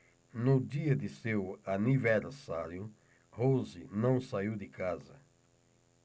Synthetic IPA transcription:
nʊd̪iɐd̪ɪsewaniveɾsaɾjʊ | hozɪnɐ̃w̃saiwd̪ɪkazɐ

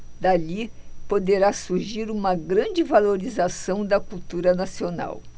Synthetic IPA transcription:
d̪aʎipod̪eɾasuɾʒiɾũmɐɡɾɐ̃d͡ʒɪvaloɾizasɐ̃w̃d̪ɐkuwt̪uɾɐnasiona̰w

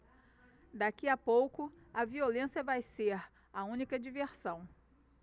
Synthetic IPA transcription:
d̪akiapowkʊɐviolẽsjɐvajseɾ | ɐũnikɐd͡ʒiveɾsɐ̃w̃

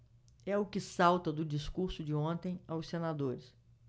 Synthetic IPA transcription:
ɛʊkɪsawt̪ɐd̪ʊd͡ʒiskuɾsʊd͡ʒɪõnt̪ẽj̃awsːenad̪oɾɪs

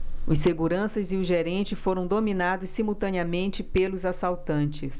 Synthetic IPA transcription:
ĩseɡuɾɐ̃sɐzɪʊʒeɾẽnt͡ʃɪfoɾɐ̃w̃d̪ominad̪ʊsːimuwt̪ɐ̃niɐmẽnt͡ʃɪpelʊzasawt̪ɐ̃nt͡ʃɪs

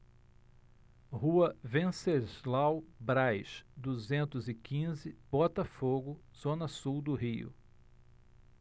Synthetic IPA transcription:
huɐvẽsezlawbɾajʃd̪uzẽnt̪ʊzɪkĩzɪbɔt̪ɐfoɡʊ | z̥õnɐsuwd̪ʊɦiʊ̰

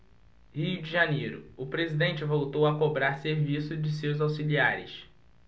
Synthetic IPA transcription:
hiʊd͡ʒɪʒanejɾʊʊpɾezid̪ẽnt͡ʃɪvowt̪owɐkobɾaɾseɾvisʊd͡ʒɪsewzawsiliaɾɪ̰s

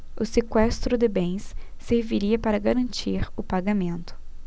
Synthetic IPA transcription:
ʊsekwɛst̪ɾʊd̪ɪbẽj̃sː | eɾviɾiɐpaɾɐɡaɾɐ̃nt͡ʃiɾʊpaɡamẽnt̪ʊ̥

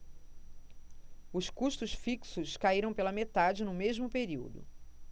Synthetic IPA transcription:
ʊskuʃt̪ʊʃfiksʊskaiɾɐ̃w̃pelɐmet̪ad͡ʒɪnʊmeʒmʊpeɾiwd̪ʊ̰

